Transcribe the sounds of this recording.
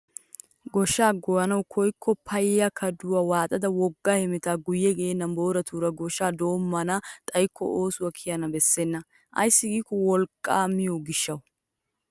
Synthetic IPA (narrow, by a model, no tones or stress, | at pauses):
ɡɔʃaːɡɔjɐnɐwkʰɔjkʰːɔpʰɐjjɐkʰɐd̪ʊwawaːt̪ʼɐd̪ɐwɔɡːahɛmɪt̪aːɡʊjːɛɡeːnːɐmbo̞ːɾɐt̪ʰuːɾɐɡɔʃaːd̪o̞ːmːɐnɐt̪ʼɐjkːɔ̰ʔoːsʊwɐkʰɪjɐnɐbɛsːenːɐ | ʔɐ̰jsːɪɡiːkːɔwɔlkʼːaːmːɪjɔɡɪʃːɐw